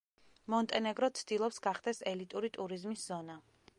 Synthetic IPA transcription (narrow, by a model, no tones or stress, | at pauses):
mɔnt̪ʼɛnɛɡɾɔt̪sʰd̪ilˠɔpsɡaχd̪ɛsɛlit̪ʼuɾit̪ʼuɾizmisz̥ɔna